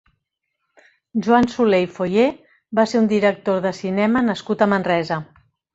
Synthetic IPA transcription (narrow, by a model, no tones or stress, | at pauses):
ʒuansulejfoje | baseɾund̪iɾək̚t̪oðəsinɛmənəskut̪əmənrɛzə